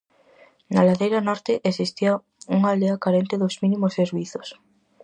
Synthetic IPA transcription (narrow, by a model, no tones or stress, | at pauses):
nalaðejɾɐnɔɾt̪ɪʔesist̪ia | uŋald̪eakaɾent̪eðozmĩnimoseɾβiθos